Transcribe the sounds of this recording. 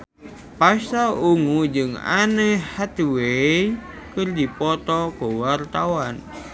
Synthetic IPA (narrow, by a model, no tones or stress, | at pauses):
pasauŋud͡ʒɨŋa̰nəhat̪wej | kɨrdipɔt̪ɔkəwart̪awan